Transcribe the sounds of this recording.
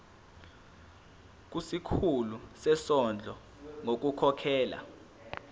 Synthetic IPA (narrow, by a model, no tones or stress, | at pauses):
k̬usikʰulusɛsɔnd͡ɮʱɔ | ŋok̬ukʰɔkʰɛːla̰